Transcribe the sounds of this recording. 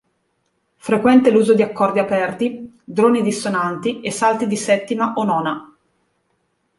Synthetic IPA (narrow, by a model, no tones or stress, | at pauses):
fɾekwɛnt̪eluːzod̪iakːɔrd̪iapɛrt̪i | d̪ɾoːnid̪isonant̪iesalt̪id̪isɛt̪ːimaʔonɔːna